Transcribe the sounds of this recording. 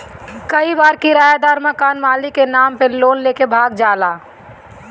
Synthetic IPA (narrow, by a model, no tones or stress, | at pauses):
kəibaːɾkiɾaːjad̪aːɾməkaːnmaːlikenaːmpẽloːnleːkebʱaːɡd͡ʒaːlaː